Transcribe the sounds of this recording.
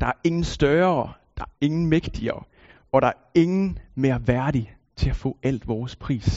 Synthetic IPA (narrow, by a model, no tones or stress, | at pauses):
d̥ɑ̈æɐe̝ŋn̩sd̥ɶːɐd̥ɑ̈æɐe̝ŋn̩meɡ̥d̥iɐ | ɒ̽ɾ̥ɑ̈æɐe̝ŋn̩me̝ɐʋæɐɾ̥i | t͡sʰe̝læfɔ̰ːæl̰d̥ʋɒːspʰʁḭːs